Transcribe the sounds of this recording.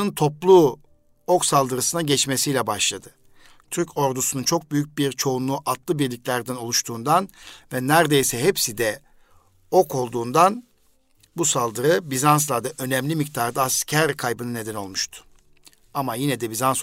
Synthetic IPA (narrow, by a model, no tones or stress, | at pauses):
ɯnt̪ʰo̞plˠu | oksalˠd̪ɯɾɯsɯnaɟɛt͡ʃme̞sijlʲɛbaʃlˠad̪ɯ | t̪ʰyɾcʰo̞ɾd̪usununt͡ʃʰo̞k̚byjyc̚biɾt͡ʃʰo̞unlˠuːʔat̪lˠɯbiɾlʲicʲlʲæɾd̪æno̞lˠuʃt̪ʰuːnd̪anvɛnæɾd̪e̞jsɛɦepsid̪ɛ | o̞kʰo̞lˠd̪uːnd̪an | busalˠd̪ɯɾɯbizans̬lˠad̪aʔø̞nɛmlʲimic̚t̪ʰaɾd̪aːscʰæɾkʰajbɯnɯne̞d̪æno̞lˠmuʃt̪ʰʊ̥ | amajinɛd̪ɛbizans